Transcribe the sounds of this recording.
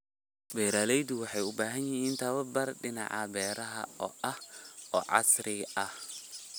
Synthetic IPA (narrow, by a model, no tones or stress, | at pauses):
bɛɾaːlɛjd̪ʊwɑħɑjʊbaːɦɐnjɪɦiːnt̪ʰɐβɐbɐrɖɪnɑ̰ʕɐbɛːɾɐɦɐ̰ɔ̰ːʔɐhɔːʕɑ̰sɾɪɐh